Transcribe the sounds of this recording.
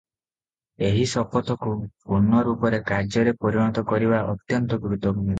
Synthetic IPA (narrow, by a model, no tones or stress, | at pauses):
eɦisɔpɔt̪ɔkupunːɔɾupɔɾekaɾd͡ʒɔɾepɔɾiɽ̃ɔt̪ɔkɔɾibaʔɔt̪jɔnt̪ɔɡɾut̪ɔɡu